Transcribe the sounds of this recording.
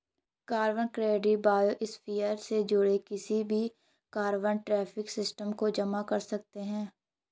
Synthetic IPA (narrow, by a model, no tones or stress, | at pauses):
kaːɾʋənkɾeːɖibaːjoʔɪspijəɾsed͡ʒʊɽekɪsibʱi | kaːɾʋənʈɾɛːfʰɪksɪsʈəmkod͡ʒɐmakɐɾsɐk̚t̪eɦɛ̃ː